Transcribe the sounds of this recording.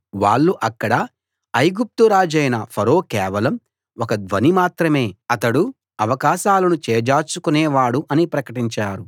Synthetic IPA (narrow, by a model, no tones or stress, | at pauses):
ʋaːɭːuʔɐkːɐɽɐ | ɐjɡup̚t̪uɾaːd͡ʒɐjnɐpʰɐɾo̞ːkɛːʋɐlɐm | okɐd̪ʋɐnimaːt̪ɾɐme̞ːɐt̪ɐɽu | ɐʋɐkaːʃaːlɐnut͡ʃeːɐd͡ʒaːt͡ʃukunɛːʋaːɽuʔɐnipɾɐkɐʈiɲt͡ʃaːɾu